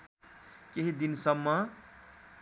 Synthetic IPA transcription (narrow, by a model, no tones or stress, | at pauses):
keɦid̪insʌbːʌ